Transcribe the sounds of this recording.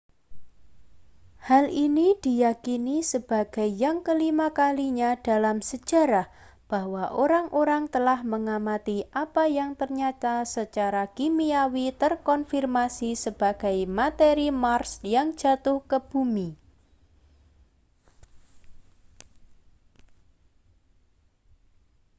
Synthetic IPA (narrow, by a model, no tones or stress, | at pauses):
halinid̥i̤jakinisəb̥a̤ɡ̥a̤jjaŋkəlimakaliɲad̥a̤lamsə̥d͡ʒ̥a̤ɾah | b̥ahwaʔoɾaŋʔoɾaŋt̪əlahməŋamat̪iʔapajaŋt̪ərɲat̪asət͡ʃaɾakimiawit̪ərkɔnfirmasisəb̥a̤ɡ̥a̤jmat̪eɾimarsjaŋ̥d͡ʒ̥a̤t̪ʊhkəb̥umi